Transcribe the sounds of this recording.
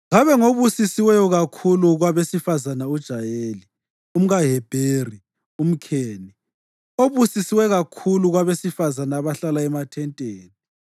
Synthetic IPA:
ɣaβɛŋoβusisiwɛjɔɣakʰuluɣwaβesifazanaud̥ʒ̥ʱajeːli | um̩ɣaɦɛb̥ʱeːri | um̩kʰeːni | oβusisiwɛɣakʰuluɣwaβesifazanaːβaɬalaɛmatʰɛntʼeːni

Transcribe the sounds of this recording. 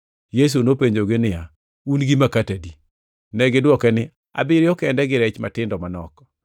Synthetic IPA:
jes̬unopeɲd͡ʒoɡɪnɪja | unɡimakatadi | nɛɡɪdwɔkɛnɪ | a̰bɪɾjɔkɛndɛɡɪɾɛt͡ʃmatɪndɔmanɔkɔ

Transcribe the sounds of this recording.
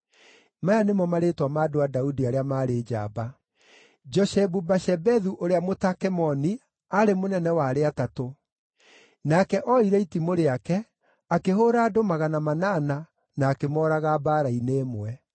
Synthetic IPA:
majanemɔmaɾetwamaːdoadaudiaɾeamaːɾed͡ʒa̰ba | d͡ʒɔʃɛbubaʃɛbɛðuʔoɾeamotakɛmɔni | aɾemonɛnɛwaɾeatato | nakɛʔɔiɾɛitimoɾeakɛ | akeɦoɾaːdomaɣanamanaːna | naːkemɔɾaɣabaːɾaineːmwɛ

